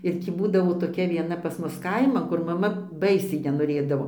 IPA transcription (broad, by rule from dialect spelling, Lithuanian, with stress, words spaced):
ɪr ˈtʲiː ˈbuːdɐʋoː toːˈkʲɛ ʋʲiɛˈnɐ pɐs ˈmʊs ˈkɐɪmɐn kʊr mɐˈmɐ ˈbɐɪsʲɛɪ nʲɛnoːˈrʲeːdɐʋoː